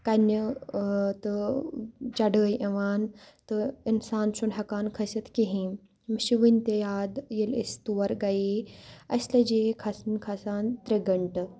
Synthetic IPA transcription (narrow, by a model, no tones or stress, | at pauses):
kɐnjɐ | t̪ɨ | t͡ʃɐɖəːjʔɐʋaːnt̪ɨinsaːnʃunɦɐkaːnkʰɐsit̪kiɦĩː | miʃiʋinʲt̪ejaːd̪jɐlḭst̪uʋɐɾɡɐjeɐsʲlɐd͡ʒeːkʰɐsnkʰɐsaːnt̪ɾeɡɐɳʈɨ